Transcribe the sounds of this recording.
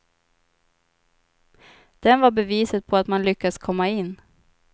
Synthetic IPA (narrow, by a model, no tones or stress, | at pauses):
d̪̥ɛnvaɾbɛviːsət̪̚pʰɔat̪manlʏkːaskʰɔmːaɪnː